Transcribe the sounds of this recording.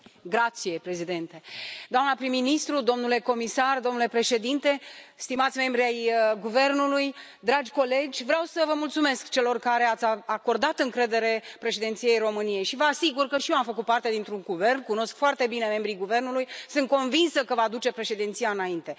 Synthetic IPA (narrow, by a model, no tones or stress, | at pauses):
ɡɾat̪sije̞pɾe̞zid̪ent̪ed̪oamnəpɾimːinist̪ɾud̪o̞mnule̞ko̞misard̪omnule̞pɾe̞ʃe̞d̪int̪e̞st̪imat̪sʲme̞mbɾiajəɡuve̞rnuluj | d̪ɾad͡ʒʲko̞le̞d͡ʒʲvɾeawsəvəmult̪sume̞skt͡ʃe̞lo̞rkaɾe̞at̪sʲaako̞rd̪at̪ɨŋkɾe̞d̪e̞ɾe̞pɾe̞ʃed̪ent̪sijejro̞mɨnije̞jʃivəasiɡurkəʃijeamfəkut̪̚part̪e̞d̪int̪ɾuŋɡuve̞rnkuno̞skfoart̪e̞bine̞me̞mbɾiɡuve̞rnulujsɨnt̪̚ko̞nvinsəkəvad̪ut͡ʃe̞pɾe̞ʃe̞d̪int̪sijaɨnaint̪e̞